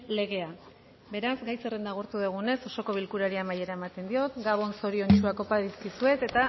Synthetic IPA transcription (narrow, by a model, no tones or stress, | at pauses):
le̞ɣ̞e̞a | be̞ɾazɡajserend̪aɣ̞uɾt̪uðeɣ̞une̞so̞so̞ko̞β̞ilkuɾaɾiamaje̞ɾae̞mat̪e̞nd̪io̞t̪ɡaβ̞o̞nso̞ɾio̞nt͡ʃuako̞paðiskisue̞t̪e̞t̪a